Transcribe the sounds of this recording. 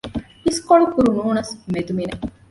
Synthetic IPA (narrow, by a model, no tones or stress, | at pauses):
iskoɭukuɾunuːnɐsmed̪umine